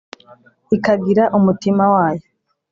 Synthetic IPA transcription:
ikaɡiɾaʔumutimawaːjo

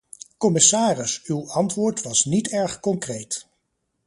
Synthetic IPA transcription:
kɔmɪsaːrɪsywɑntʋʊːɹtʋɑsnitɛɹχkɔŋkrejt

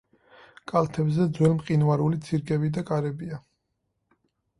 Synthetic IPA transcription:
kʼalt̪ʰɛbzɛd̪zwɛlmqʼinvaɾulit̪sʰiɾkʼɛbid̪akʼaɾɛbia

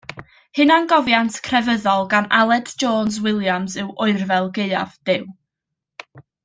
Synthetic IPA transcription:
hɨnanɡɔvjantʰkʰrɛvəðɔlˠɡanalˠɛdd͡ʒoːns̬wɪlˠjamsɨwʔʊɨrvɛlˠɡeɨa̰vd̥ɪw

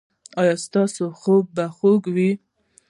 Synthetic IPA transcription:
ɑjɑst̪ɑsoxob̚baxoɡwi

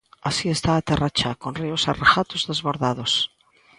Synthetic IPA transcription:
asiest̪aːt̪erat͡ʃakonriosarexat̪ozðezβoɾðað̞os

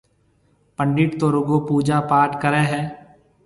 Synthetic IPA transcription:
pə̃ɳɖɪʈt̪oːɾʊɡopuːd͡ʒaːpaːʈkəɾɛːɦɛː

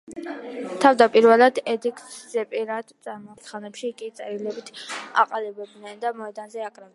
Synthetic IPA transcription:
t̪ʰavd̪apʼiɾvɛlˠad̪ɛd̪ikʼsz̥ɛpʼiɾad̪t̪sʼaɾmɔt̪sʰχanɛpʃikʼit̪sʼɛɾilɛbit̪ʰa̰qʼalibɛb̚d̪nɛnd̪amɔɛd̪anzɛakʼɾav

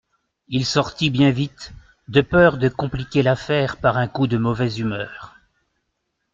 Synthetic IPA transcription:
ilsɔʁt̪ibjɛ̃vit̪ | d̪əpœʁd̪əkɔ̃plikʲelafɛːʁpaʁɛ̃kud̪əmɔvɛzymœːʁ

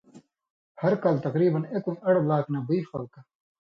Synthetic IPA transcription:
hɐɾkɐlt̪ɐqɾiːbɐnekumɐɽlaːknabiixɐlka

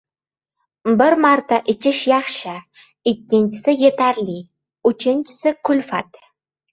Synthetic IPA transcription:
bɪɾmaɾt̪aʔɪt͡ʃʰɪʃjɑχʃɪ | ɪkʲːɪnt͡ʃʰɪ̥sɪjet̪ʰæɾli | ʉt͡ʃʰɪnt͡ʃʰɪ̥sɪkʰʊlfat̪

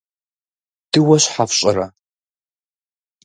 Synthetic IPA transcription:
d̥ɨwɐɕħafɕʼɪɾɐ

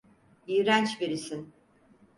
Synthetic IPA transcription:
ijɾænt͡ʃveɾisin

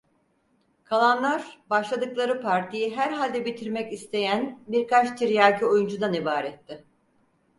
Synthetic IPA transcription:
kʰalˠanlˠaɾbaʃlˠad̪ɯklˠaɾɯpʰaɾt̪ʰijiɦæɾɦalʲd̪ɛbit̪ʰiɾmɛcist̪ʰe̞jænbiɾkat͡ʃt̪ʰiɾjaɟio̞jund͡ʒud̪anibaːɾɛt̪ʰːɪ

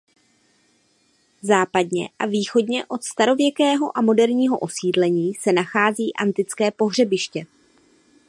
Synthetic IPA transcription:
zaːpadɲɛ̰ʔaviːxo̞dɲɛʔo̞t̪st̪aɾo̞vjɛkɛːɦo̞ʔamo̞dɛɾɲiːɦo̞ʔo̞siːdlɛɲiːsɛnaxaːziːʔant̪ɪt͡skɛːpo̞ɦr̝ɛbɪʃcɛ

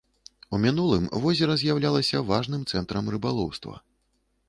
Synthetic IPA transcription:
umʲinulˠɨmvɔzʲɛɾɐzʲjawlʲalˠɐsʲɐvaʐnɨmt̪sɛnt̪ɾɐmɾɨbalˠɔwst̪vɐ̰

